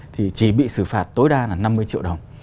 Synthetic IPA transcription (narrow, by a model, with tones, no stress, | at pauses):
t̪ʰi˨˩t͡ɕi˧˩ɓḭ˧˨sɨ˧˩faː˨˩t̚t̪o˨˦jɗaː˧laː˨˩na˧mːɨ˧əjt͡ɕḭ˧˨əwɗə˨˩wŋ͡m